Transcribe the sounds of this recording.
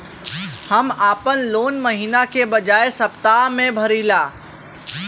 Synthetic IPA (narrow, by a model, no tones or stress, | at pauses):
həmaːpənloːnməɦiːnakebɐd͡ʒaːesɐpt̪aːmẽbʱɐɾiːlaː